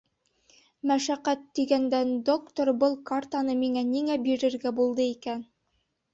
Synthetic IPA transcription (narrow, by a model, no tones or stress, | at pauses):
mæʃæqæt̪ːiɡænd̪ænd̪okt̪oɾbɤlˠkart̪anɤmiŋæniŋæbiɾɘ̆ɾɡæbulˠd̪ɤikæn